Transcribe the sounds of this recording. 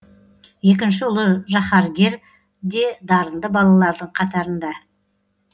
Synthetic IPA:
je̞kʲɪnʃɪʊlˠəʒɑχɑɾɡʲe̞ɾ | d̪e̞d̪ɑɾənd̪əbɑlˠɑlˠɑɾd̪əɴqʰɑt̪ɑɾənd̪ɑ

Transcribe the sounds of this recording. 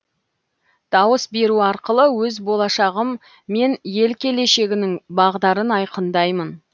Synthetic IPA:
d̪̥ɑwəsbe̞ɾuɑɾqəlˠəwɵzbo̞lˠɑʃɑʁəmː | e̞nje̞lkʲʰe̞le̞ʃe̞ɡʲɪnɪŋbɑʁd̪ɑɾənɑjqənd̪ɑjmən

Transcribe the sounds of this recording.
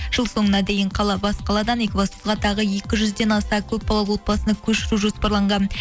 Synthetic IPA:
ʒ̥əlˠso̞ɴənɑd̪e̞jɪɴqʰɑlˠɑbɑsqɑlˠɑd̪ɑnekʲvosəzʁɑt̪ʰɑʁəje̞kʲɪʒʏzd̪e̞nɑst̪ɑkʲʰɵp̚bɑlˠɑwo̞t̪̚bɑsənɑkʲʰɵʃɪɾuʒo̞spɑɾlˠɑɴʁɑn

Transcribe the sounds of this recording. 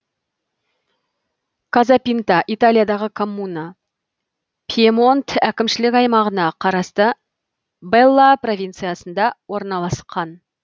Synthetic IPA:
kazapʲint̪ɑʔit̪alʲijad̪ɑʁəkʰo̞mːuna | pʲʰiemo̞nt̪ækʲɪmʃɪlɪkɑjmɑʁənɑqʰɑɾɑst̪ə | belˠːapro̞vʲijnt̪sɨjasənd̪ɑwo̞ɾnɑlˠɑsqʰɑn

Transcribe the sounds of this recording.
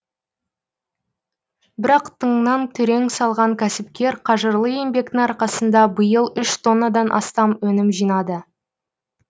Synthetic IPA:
bɪɾɑqt̪ʰəɴnɑnt̪ʰʏɾe̞ŋsɑlˠʁɑŋkʲʰæsɪpkʲe̞ɾqʰɑʒəɾlˠəje̞mbe̞kt̪ɪŋɑɾqɑsənd̪ɑbəjəlˠʏʃt̪ʰo̞nːad̪ɑnʔɑ̰st̪ɑmwɵnɪmʒijnɑd̪ə

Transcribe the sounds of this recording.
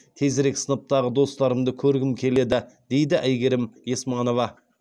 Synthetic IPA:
t̪ʰe̞zɾe̞ksənəp̚t̪ɑʁəd̪o̞st̪ɑɾəmd̪əkʲʰɵɾɡʲɪmkʲʰe̞le̞d̪ɪd̪̥e̞jd̪ɪʔæjɡʲe̞ɾɪmjesmɑno̞vɑ

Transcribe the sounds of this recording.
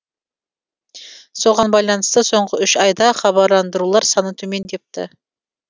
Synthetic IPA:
so̞ʁɑnbɑjlˠɑnəst̪əso̞ɴʁəʏʃɑjd̪ɑχɑβɑɾlˠɑnd̪əɾulˠɑɾsɑnət̪ʰɵme̞nd̪e̞p̚t̪ɪ̰

